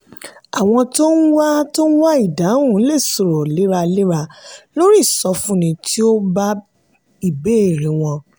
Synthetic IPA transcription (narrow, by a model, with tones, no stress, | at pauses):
a˨w̃ɔ̃˧to˦n̩˦wa˦to˦n̩˦wa˦i˦˨da˨˦ũ˨˦le˦˨so˨ɾɔ˨le˨˦ɾa˧le˦ɾa˧lo˦ɾi˦˨sɔ˧fũ˦nĩ˧tʰi˦o˦ba˦ | i˦˨be˨˦e˦˨ɾĩ˨˦w̃ɔ̃˧